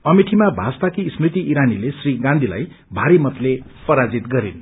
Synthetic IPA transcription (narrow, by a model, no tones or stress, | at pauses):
ʌmiʈʰimabʱasp̪akismrit̪iʔːɾanilesriɡãnd̪ʱila̰j | bʱaɾimʌt̪lepʌɾad͡zit̪ɡʌɾin